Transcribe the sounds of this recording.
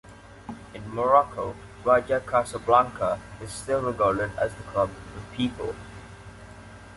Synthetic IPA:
ɪ̃nməɹɔkʰoʊ | ɹaɪd͡ʒəkʰasəblãŋkʰəɪz̥stɪlˠɹɪɡaːlədə̰zðəkʰɔbəvpʰiːˑpə̰lˠ

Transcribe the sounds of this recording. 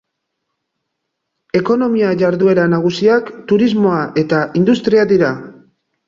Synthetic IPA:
e̞ko̞no̞miaʝaɾðue̞ɾanaɣ̞usiakt̪uɾizmo̞aʔe̞t̪aʔind̪ust̪ɾiaðiɾa

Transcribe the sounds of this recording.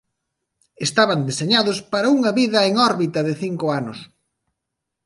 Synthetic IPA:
est̪aβɐnd̪eseɲaðʊspaɾɐuŋɐβiðɐeŋɔɾβit̪ɐðɪθiŋkʊanʊs

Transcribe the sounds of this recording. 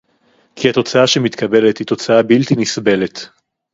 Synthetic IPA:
kʰihat̪o̞t͡saaʃemit̪kɐbe̞let̪hit̪o̞t͡saabilt̪inisbe̞le̞t̪

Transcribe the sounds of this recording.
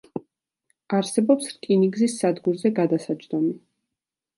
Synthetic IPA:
aɾsɛbɔpsɾkʼiniɡzisːad̪ɡuɾzɛɡad̪asad͡ʒd̪ɔmi

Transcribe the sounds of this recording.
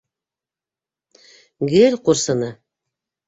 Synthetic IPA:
ɡelʲquɾsɤ̆nɤ

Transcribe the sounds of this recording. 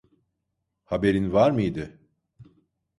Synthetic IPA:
habe̞ɾinvaɾmɯjd̪ɪ

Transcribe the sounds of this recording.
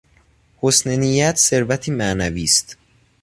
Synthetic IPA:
hosnenijæt̪ʰse̞ɾvæt̪ʰiːmænæviːst̪

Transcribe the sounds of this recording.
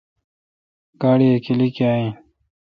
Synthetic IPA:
kaːɽiekilikiaːĩ

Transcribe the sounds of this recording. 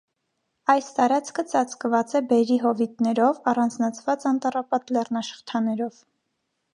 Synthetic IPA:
ɑjst̪ɑɾɑt͡sʰkʰət͡sɑt͡skvɑt͡sɛbɛɾiɦɔvit̪nɛɾɔvɑrɑnd͡znɑt͡sʰvɑt͡sɑnt̪ɑrɑpɑt̪lɛrnɑʃə̥χt̪ʰɑnɛɾɔv̥

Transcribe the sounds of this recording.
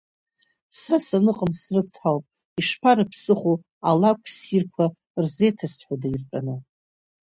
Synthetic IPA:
sasanɨqʼəmsrɨt͡sʰħawpʼ | iʂpʰaɾɨpʰsɨχʷu | alakʷʰsirkʷʰa | rze̞jtʰasħʷadairpʼanɨ

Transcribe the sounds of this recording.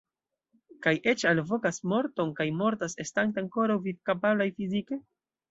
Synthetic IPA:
kajʔe̞t͡ʃalvo̞kasmo̞ɾto̞nkajmo̞ɾtase̞staŋteaŋko̞ɾawvivkapablajfizike̞

